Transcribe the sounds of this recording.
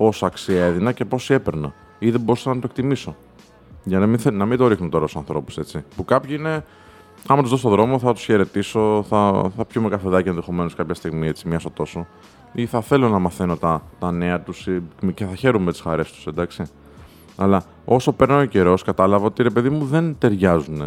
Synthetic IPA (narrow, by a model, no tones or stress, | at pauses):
po̞sɐksie̞ðinɐce̞po̞sie̞peɾnɐ̰ | iðeboɾisɐnɐt̪oe̞k̚t̪imiso̞ | ʝɐnminɐmind̪o̞ɾixnunt̪o̞ɾɐusɐ̃nθɾo̞pu̥se̞t͡sipukɐpçiine̞ | ɐmɐt̪uzðosot̪oðɾo̞mo̞θɐt̪u̥sçe̞ɾe̞t̪iso̞θɐθɐpçumekɐfeðɐcɐenðe̞xo̞me̞noskɐpçɐst̪iɣmie̞t͡simɲɐso̞t̪o̞so̞ | iθɐθe̞lo̞nɐmɐθe̞no̞t̪ɐt̪ɐne̞ɐt̪usice̞θɐçe̞ɾumemet̪i̥sxɐɾe̞st̪u̥send̪ɐksi | ɐlɐ | o̞so̞pe̞ɾnɐoce̞ɾo̞skɐt̪ɐlɐvɐo̞t̪iɾe̞pe̞ðimuðe̞nt̪e̞ɾʝɐzune̞